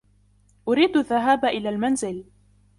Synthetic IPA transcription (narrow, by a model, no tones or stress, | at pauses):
ʔʊɾiːd̪aðːaɦaːbaʔɪlaːlmanzɪl